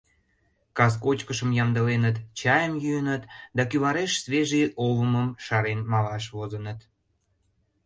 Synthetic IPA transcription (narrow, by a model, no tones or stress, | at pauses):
kɑskot͡ɕkəʃəmjɑmd̪əlenət̪t͡ɕɑjəmjyənət̪d̪ɑkyβɑɾeʃsβeʒiʔoβəməmʃɑɾenmɑlɑʃβozənət̪